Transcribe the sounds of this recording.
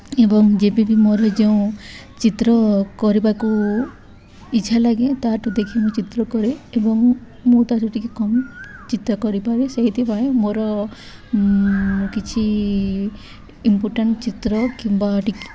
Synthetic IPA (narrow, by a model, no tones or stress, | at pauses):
ebɔŋd͡ʒebibimoɾɔd͡ʒeũ | t͡ʃit̪ɾɔkɔɾipaeku | it͡ʃʰalaɡet̪aʈud̪ekʰimut͡ʃit̪ɾɔkɔɾiebɔŋ | mut̪atuʈikekɔmt͡ʃit̪ɾɔkɔɾipaɾeseɦit̪ʰipaẽmoɾɔ | kit͡ʃʰi | impoɾʈaɳʈt͡ʃit̪ɾɔkimbaʈik